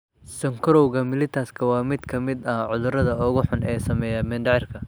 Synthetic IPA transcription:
sɐŋkʰɾɔwɣɐmɪlɪt̪ʰɐskʰɐwɑːmɪd̪kʰɐmɪd̪ɐhʕʊðʊɾɐðɐʊɣʊħʊnʔɛːsɐmɛːjɐmɛnd̪ɐʕɪrkʰɐ

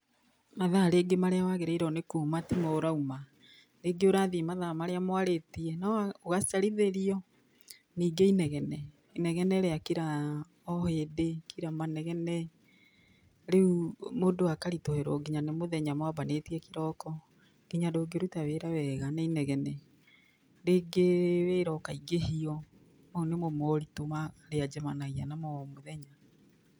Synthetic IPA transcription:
maðaɾeːɡemaɾeawaɣeɾaiɾɔnekuːmatimɔːɾauma | ɾeːɡeoɾaðimaðamaɾeamwaɾetiɛnaoɣasaɾiðeɾiɔ | niːɡeinɛɣɛnɛ | inɛɣɛnɛɾeakiɾa | ɔheːdekiɾamanɛɣɛnɛ | ɾeumodoakaɾitoheɾɔɡiɲanemoðɛɲamabaneːtiɛkiɾɔkɔ | ɡ̥iɲadoːɡeɾutaweːɾawɛɣanainɛɣɛnɛ | ɾeːɡeweɾɔkaiɡehiɔ | maunemɔmɔɾitomaɾead͡ʒɛmanaɣianamɔmoðɛɲa

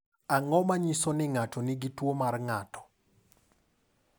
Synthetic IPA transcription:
aŋɔmaɲisɔnɪŋatɔnɪɡitwomarŋatɔ̥

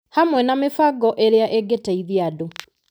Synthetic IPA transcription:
hamwɛnamefaɡɔʔeɾeaʔeɡetaiðiado

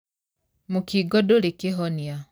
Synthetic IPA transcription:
mukiɡɔdolekeɦɔnja

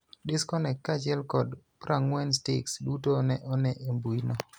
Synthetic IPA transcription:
dɪskɔnɛkːat͡ʃɛlkɔd | pɾʔaŋwɛnstɪksdutonɛʔɔnɛʔembuinɔ

